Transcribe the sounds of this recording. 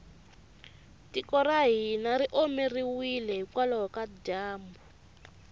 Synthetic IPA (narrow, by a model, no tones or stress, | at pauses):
tikɔɾaɦinaɾiʔɔmɛriwilɛɦikwalɔɦɔkadaːmbu